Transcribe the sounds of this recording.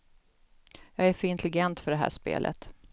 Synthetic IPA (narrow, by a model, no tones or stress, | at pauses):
jɑːɡæɾfœɾɪnt̪ʰlɪɡɛnt̪fœɖɛɦæ̰ːʂpḛːlʔə̰t̪